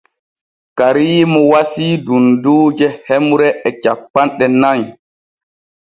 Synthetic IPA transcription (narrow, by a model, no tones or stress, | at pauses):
kaɾiːmɔwasiːdunduːd͡ʒɛhɛmuɾɛɛt͡ʃapːanɗɛnaɲ